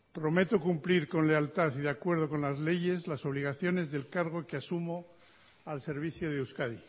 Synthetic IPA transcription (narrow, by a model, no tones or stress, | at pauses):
pɾo̞me̞t̪o̞kumpliɾko̞nle̞alt̪aθiðeakwe̞ɾðo̞ko̞nlazle̞ʝe̞zlaso̞β̞liɣ̞aθjo̞ne̞zðe̞lkaɾɣ̞o̞keasumo | alse̞ɾβ̞iθjoð̞euskaði